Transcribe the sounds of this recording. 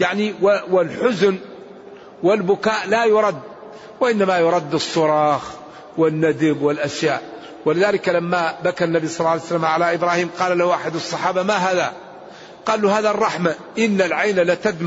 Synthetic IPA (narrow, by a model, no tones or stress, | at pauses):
jaʕniwwɪlħʊzn | wɪlbʊkaːʔlajʊɾˤɑd̪ː | wɪʔɪnːamajʊɾˤɑd̪ːɨsˤːʊɾˤɑːx | wɪnːad̪ɪbwɪlʔaʃjaːʔ | wɪlɪðaːlɪkalamːabakanːabisˤɑlːɑlsalːamʕalaʔɪbɾˤɑːhiːmqɑːlalahuʔaħɪd̪ɑsˤːɑħɑːbamaɦaːða̰ | qɑːlːuhaːðarˤːɑħma | ʔɪnːalʕajnalat̪ad̪m